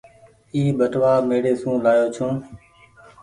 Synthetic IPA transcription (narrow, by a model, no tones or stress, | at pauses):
iːɓəʈʋaːmeːɽeːsũːlaːjoːt͡ʃʰũː